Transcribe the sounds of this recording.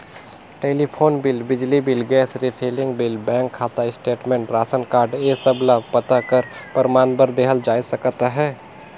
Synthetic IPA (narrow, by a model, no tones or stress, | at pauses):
ʈeːlipʰoːnbɪlbɪd͡ʒlibɪlɡɛːsɾipʰeːlɪ̃ŋɡbɪlbɛ̃ːŋkʰːaːt̪aɪsʈeːʈmɛ̃ːɳʈɾaːsənkaːɾɖesəblapət̪akəɾpəɾmaːnbəɾd̪eːɦəld͡ʒaːisɐkt̪ɦɛː